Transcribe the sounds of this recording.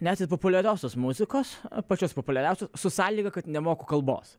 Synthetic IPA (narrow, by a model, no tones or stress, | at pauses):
nʲæːt̪ʲet̪popʊlʲɛɾʲoːsʲoːsmʊzʲɪkoːspɐt͡ʃʲoːspopʊlʲɛɾʲɛʊsʲoːssʊsɑːlʲiːɡɐkɐt̪nʲɛmoːkʊkɐlˠbo̰ːs